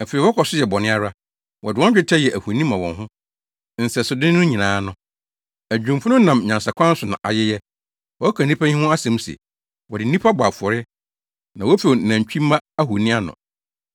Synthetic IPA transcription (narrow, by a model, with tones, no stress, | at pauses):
æ˨fe˨ɾi˨wɔ˦kʰɔ˨sʊ˦jɛ˨bɔ˨nɪ̃˦a˦ɾa˦ | wɔ˨dɪ˨wɔ̃˦d͡ʑᶣɪ˦tʰa˦jɛ˨ʔæ˨hu˨nĩ˦mã˨wɔ̃˨nɦʊ̃˦ | n̩˨sɛ˨sʊ˨dɪ˦n˦nʊ̃˦ɲĩ˨nãː˨˦nʊ̃˦ | æ˨d͡ʑᶣũ˨m˨fʊ˦nʊ̃˦nã˨m˨ɲã˨nsa˨kʷʰã˦n̩˦sʊ˨nã̰˨ʔa̰˨jɛ˦jɛ˦ | wɔ˦kʰa˨nĩ˦pʰã˦hĩ˦hʊ̃˦a˦sɛ̃˨m˦sɛ̰˨ | wɔ˨dɪ˨n̩˦ĩ˦pʰa˦bʊ˨a˨fu˨ɔ˨ɾɪ˦ | nã˨wɔ˦fe˨nã˨t͡ɕᶣi˦mːã˦a˦hu˨nĩ˦a˦nʊ̰̃˨